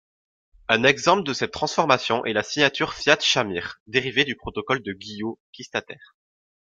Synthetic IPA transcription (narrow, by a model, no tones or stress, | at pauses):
ɛ̃nɛɡzɑ̃pləd̪əsɛt̪ːχɑ̃sfɔʁmasjɔ̃ʔɛlasiɲat̪yʁfjat̪ʃamiːʁd̪eʁived̪ypχɔt̪ɔkɔld̪əɡʲijokʲist̪at̪ɛːʁ